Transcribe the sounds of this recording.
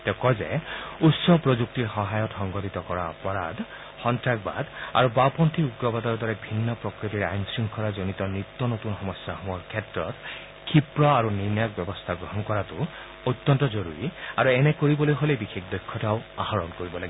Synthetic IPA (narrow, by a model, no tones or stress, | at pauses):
tɛkɔzɛ̰utsɔpɹozuk̚tiɹxɔɦajɔtxɔŋɡɔtit̪ɔkɔɹaɔpɔɹa̰d | xɔntɹaɡ̚ba̰d̪a̰ɹubapɔntʰiuɡɹɔbadɔɹdɔɹɛbʱinːɔpɹɔkɹitiɹa̰jnsiŋkʰɔɹazonitɔnit̪ːɔnot̪unxɔmɔsjaɦɔɔɹkʰɛtɹɔt | kʰipɹɔaɹuniɹnak̚bjɛbɔst̪ʰaɡɹɔɦɔnkɔɹatʊ | ot̪ːɔntɔzoɹuɹiaɹuɛnɛkoɹibɔlojɦolejbixexdɔjkʰːɔtaʊa̰haɹɔnkoɹibɔlaɡi